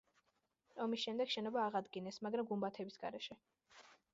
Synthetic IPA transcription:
ɔmisʃɛmd̪ɛɡʃɛnɔbaːʁad̪ɡinɛsmaɡɾamɡumbat̪ʰɛbisɡa̰ɾɛʃɛ

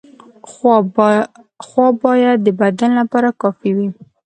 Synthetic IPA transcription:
xwɑbɑjad̪̚ːəbad̪anlapɑɾakɑfiwi

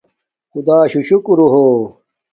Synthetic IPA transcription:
xud̪aːɕuɕukuɾuɦoː

